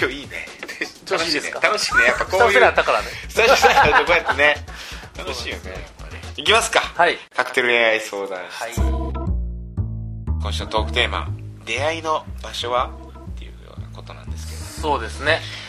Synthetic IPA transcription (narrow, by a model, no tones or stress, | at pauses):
kʲo̞ːiːnḛ | aeekat̪anoɕi̥kɯnejapːakojat̪ːakaɾaesaokojat̪ːenet̪anoɕiːjonejapːaikʲimasɨ̥kahaikakɯ̟t̪e̞ɾɯ̟d̪eaiso̞ːd̪ã | kõ̞ɕɨnot̪o̞ːkɯ̟t̪e̞ːma̰d̪e̞aino̞baɕo̞βa | t̪ːe̞jɯ̟̰jo̞̰ːna̰ko̞t̪o̞nã̰nd̪e̞sɨ̥ke̞d̪̥osoːd̪e̞sɨne